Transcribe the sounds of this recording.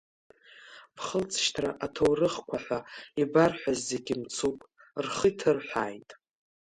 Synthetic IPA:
b̥ʰχəlt͡sʰʼʃtʰra̰ʔatʰowrɨχkʷʰaħʷaibarħʷᶣazːeɡʲimt͡sʰupʼ | rχitʰɨrħʷaːjtʼ

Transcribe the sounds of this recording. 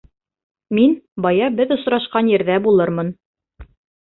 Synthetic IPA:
minbɑjɑbɘðŏsɾɑʃqɑnjɘ̆ɾðæbulˠɤɾmɤn

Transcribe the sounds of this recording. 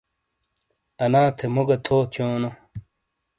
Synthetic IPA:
ɐnaːt̪ʰemuɡɐt̪ʰoːt͡ɕʰjoːno

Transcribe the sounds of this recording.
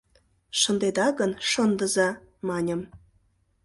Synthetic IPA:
ʃə̆nd̪ed̪ɑɣənʃənd̪ə̆zɑ | mɑnʲə̆m

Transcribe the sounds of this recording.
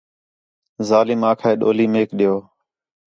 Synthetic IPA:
zaːlɪmãːkʰaeːɗo̰ːliːmeːkɗɪjoː

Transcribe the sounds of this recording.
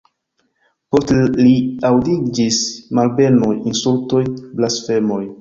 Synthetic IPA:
po̞steliawdid͡ʒismalbe̞nujinsulto̞jblasfe̞mo̞j

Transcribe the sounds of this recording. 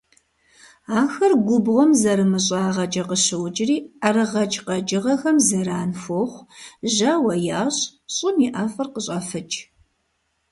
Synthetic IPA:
aːxɐrɡʷʊbʁʷɔmzɐɾɨmɨɕ̬ʼaːʁɐt͡ʃʼɐqəɕɨwd͡ʒɪriːɐrɨʁɐt͡ʃʼqɐd͡ʒʼɪʁɐxɐmzɐɾaːnfoχʷʒɐwɐjaːɕɕʼɪmiʔaːfɐrqəɕʼɐfɨt͡ʃʰʼ

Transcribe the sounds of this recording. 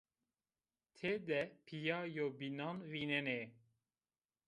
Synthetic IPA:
t̪ʰeːd̪ɛpʰijɑːjobinɑnvinɛneː

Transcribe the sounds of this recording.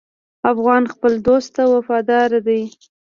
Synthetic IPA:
afɣɑnxpəld̪ost̪ːawafɑd̪ɑɾad̪aj

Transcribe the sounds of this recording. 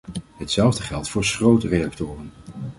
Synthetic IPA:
ɦətsɛlˠvdəχɛlˠtfʊːɹsχrowtərejak̚tʊːrən

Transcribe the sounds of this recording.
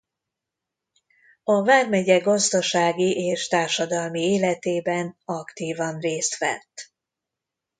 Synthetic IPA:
ɒvaːrmɛɟɛɡɒzd̪ɒʃaːɡiʔeːʃt̪aːrʃɒd̪ɒlmieːlɛt̪eːbɛnɒkt̪iːvɒnreːst̪ʋɛ̰t̪ː

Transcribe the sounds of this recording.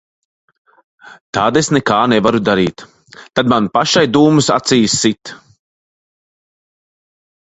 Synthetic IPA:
t̪aːd̪esnɛkaːnɛvaɾud̪aɾiːt̪ː | ad̪manpaʃajd̪uːmɨsa̰t̪siːsːit̪

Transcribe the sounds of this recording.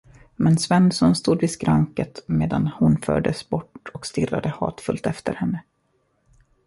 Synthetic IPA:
mɛnsvɛnːsɔnst̪uːd̪vɪskɾaŋkət̪meːd̪anhʊnfœ̰ːɖəsbɔʈːɔkst̪ɪrːad̪əhɑ̰ːt̪fɵlt̪ɛft̪əɾhɛnːə

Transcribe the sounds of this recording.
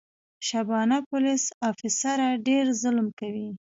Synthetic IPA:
ʃabɑnapʊlisɑfɪsaɾaɖeɾzʊlmkawi

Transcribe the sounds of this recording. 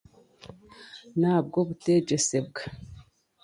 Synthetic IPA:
naːb̚ɡo̞βute̞ɟe̞se̞b̚ɡḁ

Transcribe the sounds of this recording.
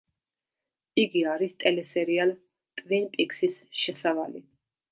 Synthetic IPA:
iɡiaɾist̪ʼɛlɛsɛɾial | t̪ʼvinpʼiksisʃɛsavalḭ

